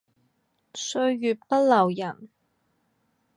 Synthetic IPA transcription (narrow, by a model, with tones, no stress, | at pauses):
sɵ˧ɥjyː˨t̚pɐ˥t̚lɐ˨˩wjɐ˨˩n